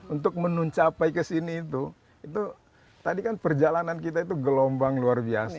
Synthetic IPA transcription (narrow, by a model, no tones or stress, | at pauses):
unt̪ʊk̚mənuɲt͡ʃapaikəsiniːt̪u | it̪u | t̪adikanpərd͡ʒalanankit̪̬ait̪̬uɡəlombaŋluarbias